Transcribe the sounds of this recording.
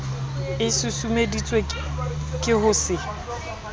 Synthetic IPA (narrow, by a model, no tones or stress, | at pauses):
ɪsʊsumedit͡sʼwe | kʼɪɦʊsɪ